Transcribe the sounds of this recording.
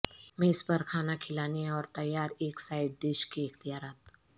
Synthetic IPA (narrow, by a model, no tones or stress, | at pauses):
meːspəɾkʰaːnakʰɪlaːnẽɔːɾt̪ɐjːaːɾeːksaːɪɖ̚ɖɪʃkeɪxt̪ijaːɾaːt̪